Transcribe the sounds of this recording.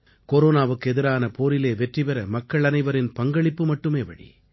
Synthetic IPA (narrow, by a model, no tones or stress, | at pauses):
koɾoːnaːʋɯkːɯɛðɪɾaːnɐpoːɾɪleːʋɛʈriʋɐɾɐmɐkːɐɭɐnɐɪʋɐɾɪnpɐŋɡɐɭɪpːɯmɐʈːɯmeːʋɐ̰ɽḭ